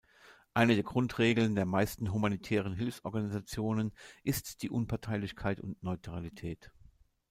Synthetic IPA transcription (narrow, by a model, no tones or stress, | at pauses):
ʔaɪnədeːɐɡʁʊntʁ̥eːɡl̩ndeːɐmaɪstn̩ɦumanitʰɛːʁ̞ənɦɪlfsʔɔɐɡanizat͡sjoːnənʔɪstd̥iːʔʊnpʰaɐtʰaɪlɪçkʰaɪtʊ̰ntnɔʏtʁ̥alitʰɛːt